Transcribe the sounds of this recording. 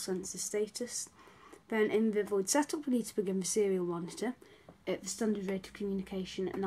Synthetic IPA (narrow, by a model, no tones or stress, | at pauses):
sɛ̃nsðə̥steɪtʰəsðə̃nʔɪ̃nvəvoɪd̥sɛtʰʊpəɡiːdzb̥əɡɪ̃ɱvəsɪəɹiəlˠmɒnɪtʰə | əʔðəstʌ̃ndədɹeɪtʰəv̥kʰəmjʉːnɪkʰeɪʃə̃nə̰ʔna